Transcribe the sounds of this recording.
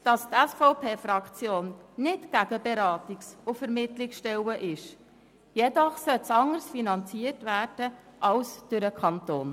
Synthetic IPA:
d̥ɑst̪ɛsfɔʊpʰeːfɾɑkt͡sjoːnnɪtɡ̥æɡəbeɾɑːtiksʊfɛɾmɪtlɪksʃtɛwəʔɪʃ | jɛdɔχsœtsɑŋəɾsfinɑnt͡siərtʋæːrd̥əʔɑlsd̥øɾəkʰɑnt̪oːn

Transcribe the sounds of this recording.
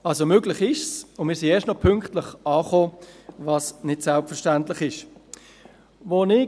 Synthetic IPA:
ɑlsomøːɡlɪχɪʃsʊnmɪːɾsieːstnɔpʰʏŋktləχɑːχoːvɑːsnɪtsɛlpfɛʃtantləχɪʃ | vonɪ

